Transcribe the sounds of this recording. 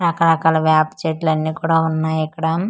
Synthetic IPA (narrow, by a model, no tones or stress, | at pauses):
ɾɐkɐɾɐkaːlɐʋaːpt͡ʃeʈlɐnːiːkuːɽaːunːaːjɛkːɐɽɐm